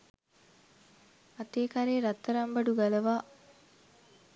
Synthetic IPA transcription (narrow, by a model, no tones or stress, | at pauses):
at̪eːkaɾeːɾat̪ːəɾambɐɖuɡalɐʋaː